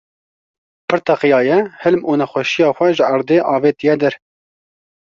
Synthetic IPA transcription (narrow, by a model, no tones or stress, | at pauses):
pʰɨɾt̪ʰɑqɨjɑːjɛhɪlmuːnɛxʷɛʃijɑːxʷɛʒəʔɑɾd̪eːʔɑːveːt̪ijɛd̪ɛɾ